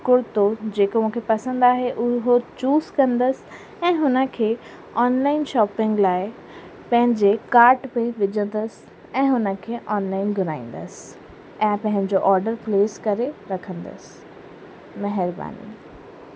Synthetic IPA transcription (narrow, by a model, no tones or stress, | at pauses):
kʊɾt̪od͡ʑeːkomũːkʰepɐsə̃nd̪aːɦeʔʊɦot͡ɕuːzkɐ̃nd̪əs | ɛ̃ːɦʊnə̆kʰeː | ɔːnlaːɪnʃɔːpɪ̃ŋɡlaːɪ | pɐ̃ɦɪ̃ɲd͡ʑekaːɾʈpẽʋɪd͡ʑə̃nd̪əs | ɛ̃ːɦʊnə̆kʰeːʔɔːnlaːɪnɡʱʊɾaːĩːn̆d̪ə̰s | ɛ̃ːpɐ̃ɦɪ̃ɲd͡ʑoʔɔːɾɖəɾpleːskɐɾeɾɐkʰə̃nd̪ə̰s | mɐɦɪɾba̰ːnḭː